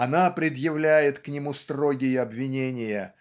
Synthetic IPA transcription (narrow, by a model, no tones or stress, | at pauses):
ɐnapɾʲɪd̪jɪvlʲæjɪt̪knʲɪmust̪ɾo̞ɡʲɪjəɐbvʲɪnʲenʲɪjə